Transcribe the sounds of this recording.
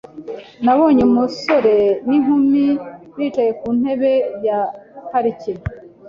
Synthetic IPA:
naβoːɲemuso̞ɾe̞niŋhumiɾit͡ʃaje̞kuːn̥he̞βe̞jataɾice

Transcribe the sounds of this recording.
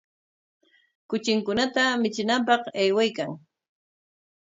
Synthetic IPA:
kʊt͡ʃɪŋkʊnat̪amɪt͡ʃɪnamp̬ɑqajwajkaŋ

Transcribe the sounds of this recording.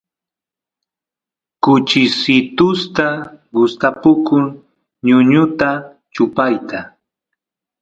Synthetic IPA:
kʊt͡ʃɪsɪt̪ʊst̪aɡʊst̪apʊkʊŋ | ɲʊɲʊt̪a | t͡ʃʊpajt̪a

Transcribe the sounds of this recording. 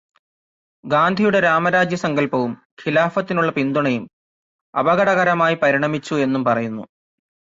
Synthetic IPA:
ɡaːnd̪ʱijuɽe̞ɾaːmɐɾaːd͡ʑjɐsɐŋɡɐlpɐʋum | kʰilaːfɐt̪ːinuɭːɐpind̪uɳɐjum | ɐ̰bɐɣɐɽɐɣɐɾɐmaːjipɐɾiɳɐmit͡ɕːue̞nːumpɐrɐjunːṵ

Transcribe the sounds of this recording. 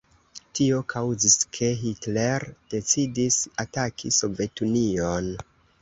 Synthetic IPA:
tio̞kʰawziskʰe̞ɦitle̞ɾd̥e̞t͡sidisatakʰiso̞ve̞tunion

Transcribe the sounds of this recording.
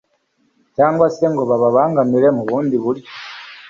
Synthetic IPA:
caːŋɡwase̞ŋɡo̞βaβaβaːŋɡamiɾe̞muβuːndiβuɾjo

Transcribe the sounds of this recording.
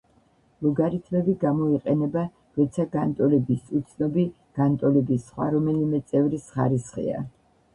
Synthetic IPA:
luɡaɾit̪ʰmɛbiɡamɔiqʼɛnɛba | ɾɔt̪sʰaɡant̪ʼɔlɛbisut̪sʰnɔbi | ɡ̥ant̪ʼɔlɛbisχwa̰ɾɔmɛlimɛt̪sʼɛvɾisχa̰ɾisχḭa̰

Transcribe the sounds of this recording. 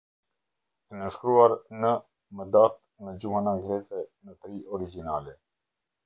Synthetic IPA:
ɛnəʃkɾuaɾnə | məd̪at̪̚ | məd͡ʑuhanaɡɾɛsɛnət̪ɾiʔɔɾid͡ʒinalɛ

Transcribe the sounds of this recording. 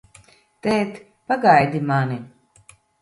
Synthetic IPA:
t̪ɛːt̪ | paɡajd̪imani

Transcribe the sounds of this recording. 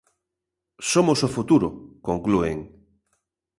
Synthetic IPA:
somosofut̪uɾʊ̰koŋklueŋ

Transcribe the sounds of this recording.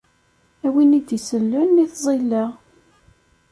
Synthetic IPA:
æwinid̪isəlːʊnːiθzˤilːəʁ

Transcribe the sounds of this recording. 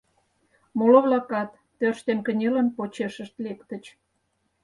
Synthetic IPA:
moloβlɑkɑt̪ːørʃt̪enkə̆nʲelə̆npot͡ɕeʃə̆ʃt̪lekt̪ə̆t͡ɕ

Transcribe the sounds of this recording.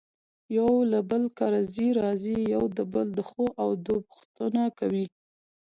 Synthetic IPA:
jawlabəlkɑɾaziɾɑzijawd̪əbəld̪əxoʔawd̪opʊ̥xt̪ənakawi

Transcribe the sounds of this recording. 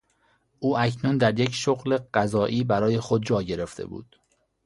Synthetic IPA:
ʔuːæcnund̪æɾje̞cʃoɣle̞ɢ̥æzɒːʔiːbæɾɒːje̞xod̪̚d͡ʒɒːɟe̞ɾe̞ft̪ʰḛbṵːd̪̥

